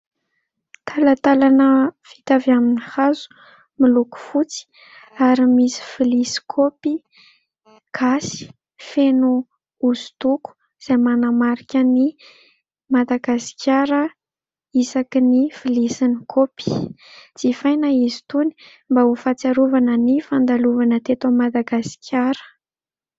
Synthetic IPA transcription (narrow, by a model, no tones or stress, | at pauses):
t̪ʰalat̪alanəfi̥t̪avaminihazu̥ | miluku̥fut͡si̥ | aɾimisi̥filisi̥kʰopi | kʰasi̥ | fenu | uzu̥t̪uku̥ | z̥ajmanamaɾikʲəni | mad̪aɡasi̥kʰʲjaɾə | isakinifilisinikʰopi̥ | d͡z̥ifajnaizi̥t̪uni̥ | mbaufat͡saɾuvanənifand̪aluvanət̪et̪omad̪aɡasi̥kʲʰjaɾə̥